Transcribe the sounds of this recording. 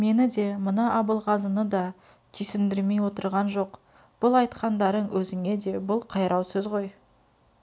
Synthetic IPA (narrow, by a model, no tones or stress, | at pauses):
me̞nɪd̪e̞mənɑʔɑbəlˠʁɑzənəd̪ɑ | t̪ʰijsɪnd̪ɪɾme̞jwo̞t̪əɾʁɑnʒo̞q | b̥ʊlˠɑjt̪qɑnd̪ɑɾəɴwʔɵzɪŋe̞d̪e̞bʊlˠqʰɑjɾʔɑwsɵzʁo̞j